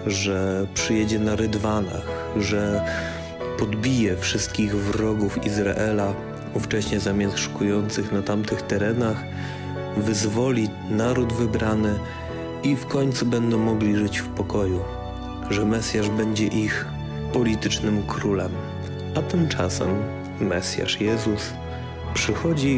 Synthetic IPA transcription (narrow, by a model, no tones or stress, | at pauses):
ʐɛpʂɘjɛd͡ʑɛnaɾɛd̪vana̰x | ʐɛ | pɔd̪bʲijɛfʂɘst̪̚kʲiɣvɾɔɡufizɾa̰ʔɛla | uft͡ʂɛɕɲɛzamʲjast̪ʂu̥kujɔnt̪sɘxnat̪amt̪ɘxt̪ɛɾɛnax | vɘzvɔlʲi | naɾud̪vɘbɾanɘ | ifkɔɲt̪subɛnd̪ɔ̃w̃mɔɡlʲiʐɘt͡ɕfpɔkɔju | ʐɛmɛsʲjaʐbɛɲd͡ʑɛʔix | pɔlʲit̪ɘt͡ʂnɘmkɾulɛm | ʔat̪ɘmt͡ʂa̰sɛ̰mː | ɛsʲja̰ʂjɛzus | pʂɘxɔd͡ʑi